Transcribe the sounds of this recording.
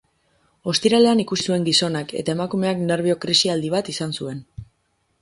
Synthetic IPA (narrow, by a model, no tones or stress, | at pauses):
o̞st̪iɾale̞anikusisue̞ŋɡiso̞nake̞̰t̪ae̞makume̞akne̞ɾβio̞kɾisiald̪iβ̞at̪isansue̞n